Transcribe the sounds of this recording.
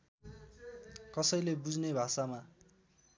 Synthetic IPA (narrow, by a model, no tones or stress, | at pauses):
kʌsʌjlebud͡znebʱasama